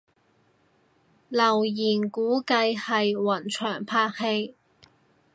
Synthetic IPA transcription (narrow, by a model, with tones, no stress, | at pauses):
lɐ˨˩wjiː˨˩nkuː˨˥kɐ˧jhɐ˨jwɐ˨˩nt͡ʃʰœː˨˩ŋpʰaː˧˥k̚he˧j